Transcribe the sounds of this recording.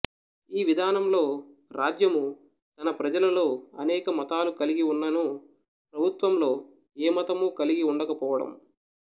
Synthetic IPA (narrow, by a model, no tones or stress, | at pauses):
iːʋid̪ʱaːnɐmlo̞ːɾaːd͡ʒjɐmu | t̪ɐnɐpɾɐd͡ʒɐlɐlo̞ːɐnɛːkɐmɐt̪aːlukɐliɡiunːɐnu | pɾɐbʱut̪ʋɐmlo̞ː | eːmɐt̪ɐmukɐliɡiuɳɖɐkɐpɔːʋɐɽɐ̰m